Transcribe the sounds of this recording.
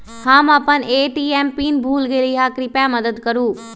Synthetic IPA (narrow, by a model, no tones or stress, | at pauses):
hãːmapəneːʈiːɛːmpiːnbʱuːlɡeːliɦaːkɾipjamɐd̪əd̪kɐɾuː